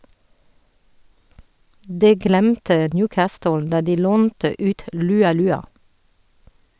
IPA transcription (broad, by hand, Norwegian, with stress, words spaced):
ˈdɛ ˈɡlæmtə ˈnjʉːˌkæːstʊl ˈdɑ ˈdiː ˈloːntə ˈʔʉːt ˌlʉːɑˈlʉːɑ